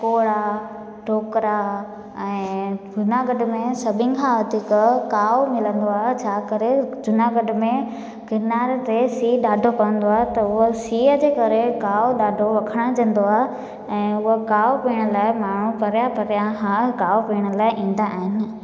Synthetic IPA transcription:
koːɽa | ʈʰoːkɾa | ɛ̃ːd͡ʑʊnaɡɐɖmẽsɐbʱɪ̃n̆kʰãːʋɐt̪ikkaːmɪlə̃nd̪oaːɦet͡ɕʰaːkɐɾed͡ʑʊnaɡɐɖʊ̆mẽ | kɪnaːɾt̪esiːɗaːɖʱokɐʋə̃nd̪oaːɦet̪ɐʊɦosiːəd͡ʑeːkɐɾekaːoɗaːɖʱoʋɐkʰəɽ̃ãd͡ʑɐ̃n̆d̪oaːɦe | ɛ̃ːʊɦokaːopiːɽ̃əlaːɪmaːɳ̤upɐɾjapɐɾjaɦãkaːopiːɽ̃ə̆laːɪʔĩːn̆d̪aːɦɪnɪ̆

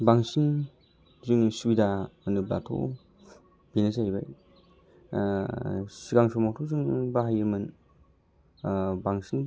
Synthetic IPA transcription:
baŋsin | zɯŋsuwidaɐnɯbla̰tʰo̰ | binazajbaj | siɡaŋsɔmawtʰɔzɯŋbaɦajɯmɯn | baŋsin

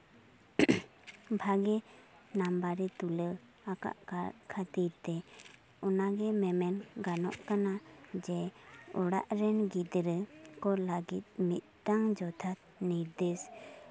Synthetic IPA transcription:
bʱaɡɛ | nambaɾɛt̪ulə | aka̰ʔkakʰat̪iɾt̪ɛ | ɔnaɡɛmɛmɛnɡanɔ̰ʔkanad͡ʒɛɔɽa̰ʔɾɛnɡid̪ɾəkɔləɡit̪̚mit̪̚ˀtaŋd͡ʒɔd̪ʰʱat̪̚ | niɾd̪es

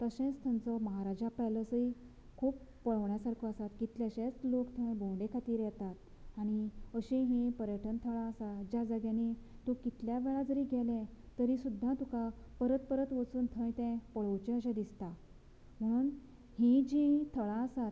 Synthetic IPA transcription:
t̪əɕẽt͡st̪ʰə̃nt͡səməɦaɾad͡ʑapɛləsəi | kʰuːpːəɭəʋɳjasaɾkʰəasat̪kit̪ljaɕẽt͡slokt̪ʰəẽbõɖekʰat̪iːɾjɛt̪at̪̚ | aɽ̃iəɕĩɦĩpəɾjəʈʰənt̪ʰəɭãəsad͡ʑad͡zəɡjãni | t̪õkit̪ljaʋeɭad͡zəɾiːɡʱɛlɛ̃t̪əɾisud̪ʱːãt̪uka | pəɾət̪̚pəɾət̪ʋət͡suːnt̪ʰə̃jt̪ɛ̃pəɭəwt͡ɕẽəɕɛ̃d̪ist̪a | m̤əɽ̃uːn | hĩd͡ʑĩt̪ʰəɭãəsat̪

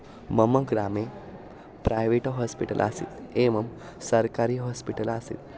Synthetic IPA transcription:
məməɡɾame | pɾajʋeʈɦɔspiʈə̰lʔa̰sḭt̪eməm | səɾkaɾiːɦɔspiʈəlasḭːt̪

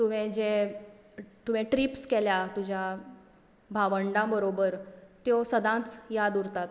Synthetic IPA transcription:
t̪uʋ̤ɛ̃d͡ʑe | t̪uʋɛ̃ʈɾipskɛljat̪ud͡ʑʱja | bʱaʋəɳɖãbəɾobəɾt̪josəd̪ãt͡sjad̪uɾt̪at̪

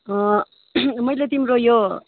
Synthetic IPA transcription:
ʌ̃ | mʌjlet̪imrojo

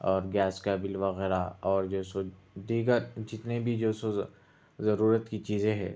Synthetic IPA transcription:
ɔːɾɡɛːskɛːbɪlʋɐɣɛːɾaɔːɾd͡ʒoːso | d̪iːɡəɾd͡ʒɪt̪nebʱid͡ʒoːso | zɐɾuːɾət̪kit͡ʃiːzẽɦɛ̰̃ː

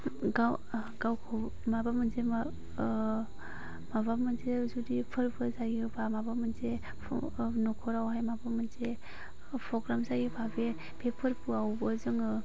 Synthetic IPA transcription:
ɡaw | ɡawkʰɔ | mabamɯnzem | mabamɯnzezudipʰɯɾbɯzaɡibʰamabamɯnze | nɔkʰɔɾawɦajmabamɯnze | pʰɾɔɡɾamzaɡipʰabe | pʰepʰɯɾpuawbəzɯŋɯ

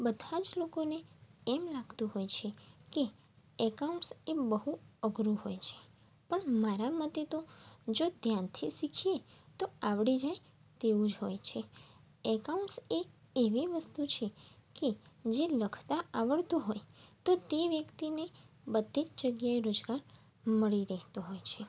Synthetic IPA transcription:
bəd̪ʱad͡ʒlokoneɛmlaɡt̪ũɦojt͡ʃʰeke | ɛkauɳʈsebəɦuəɡɾuɦojt͡ʃʰe̥ | pəɳmaɾamət̪et̪od͡ʒod̪ʱjant̪ʰisikʰijet̪oaʋɽid͡ʒaj | t̪eũd͡ʒɦojt͡ʃʰe | ɛkauɳʈseː | ʋiʋəst̪ut͡ʃʰeked͡ʒeləkʰt̪aaʋəɭt̪uɦojt̪ot̪eʋjəkt̪inebəd̪ʱid͡ʒ̪d͡ʒəɡjaeɾod͡ʒɡaɾ | məɭiɾɛɦt̪uɦojt͡ʃʰe

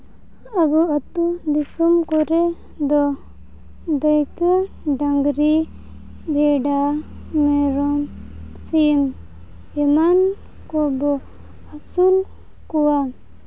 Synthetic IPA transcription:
abuat̪ud̪isumkɔɾɛ | d̪ɔ | d̪əjkə | ɖaŋɡɾi | bɛɖa | mɛɾɔmsim | ɛman | kɔbɔ | asul | kɔwa

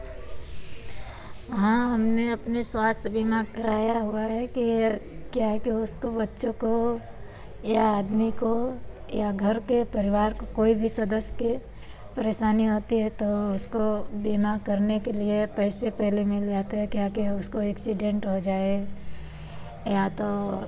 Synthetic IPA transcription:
ɦãɦɐmneɐpneswaːst̪ʰbimakɐɾaːjaɦuaɦɛkikjaɦɛkiʊskobɐtːʃõko | jaaːd̪miko | jaɡʱɐɾkepɐɾɪʋaːɾkokoːibʱisɐd̪əsjke | pɐɾeːʃaːniɦoːt̪iɦɛt̪oʊskobiːmakɐɾnekeliepɛːsepɛɦlemɪ̃ld͡ʒaːt̪aɦɛkjakeʊskoɛːksiɖẽːɳʈɦod͡ʒaːe | jat̪o

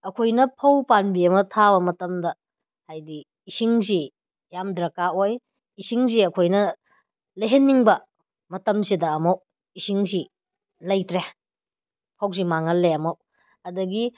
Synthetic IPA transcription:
ɐkʰojnɐpʰɐwpanbiɐmɐtʰaβɐmɐtɐmdɐ | hajdiː | siŋzi | jamdɾɐkaoj | isiŋziɐkʰojnɐ | leɦenːiŋbɐ | mɐtɐmsidɐːmɐw | isiŋzi | lɐjtɾe | pʰɐwz̬imaŋɐlːeɐmɐw | ɐdɐɡi

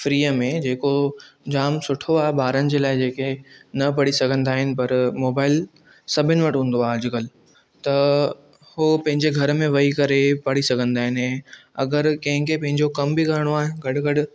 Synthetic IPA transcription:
fɾiːəmẽd͡ʑeːkod͡ʑaːmsʊʈʰoaːɦebaːɾənɪ̆d͡ʑeːlaːɪd͡ʑeːkenɐpɐɽisɐɡʱə̃nd̪aːɦɪnɪ̆pɐɾmoːbaːɪl | sɐbʱɪnɪʋɐʈɦũːn̆d̪oaːɦd͡ʑɪkəl | t̪ɐ | hopɐ̃ɦɪ̃ɲd͡ʑeɡʱɐɾəmẽʋɐikɐɾepɐɽ̤isɐɡʱə̃nd̪aːɦɪnɪɛ̃ɐ̰ɡəɾkɐ̃ɦɪ̃kʰepɐ̃ɦɪ̃ɲd͡ʑokɐmbiɡaːɾɪɽ̃oaːɦɪnɡɐɽʊɡɐɽʊ̆

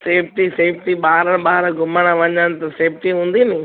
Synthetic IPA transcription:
seːpʈiseːpʈiɓaːɾəɽ̃ɓaːɦɾɡʊmaɽ̃ãʋɐɲəɽ̃ɪ̃t̪ɐseːpʈiɦũːn̆d̪inɪ̃

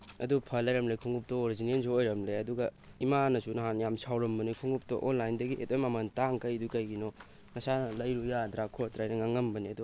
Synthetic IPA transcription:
ɐdupʰɐlɐjɾɐmlekʰuŋup̚toːɾizinensoojɾɐmleɐduɡɐ | imanɐsunɐɦanjamsawɾɐmbɐnikʰuŋup̚to̰ʔonlajndɐɡietojmamɐntaŋkɐjdukɐjɡino | ŋɐsanɐlɐjɾujadɾakʰotɾajnɐŋaŋɐmbɐniɐdu

